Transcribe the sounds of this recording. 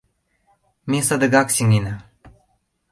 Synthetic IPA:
misad̪ɨɡaksʲiŋina

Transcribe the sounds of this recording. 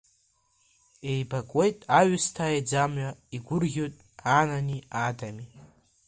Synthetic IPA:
e̞jbakʼwe̞jtʼaɥʊstʰaːed͡zamɥaiɡʷʊrʲo̞jtʼ | ananiadami

